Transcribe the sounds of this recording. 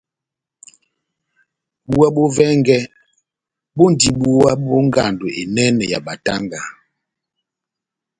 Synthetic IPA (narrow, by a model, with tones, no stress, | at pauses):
bu˦wa˦ɓo˦vɛ˦ŋɡɛ˦ | bo˦n˨di˨ɓu˦wa˦ɓo˦ŋ˦ɡa˨ndo˨e˨nɛ˦nɛ˨ja̰˨ɓa˨ta̰˦ŋɡa˨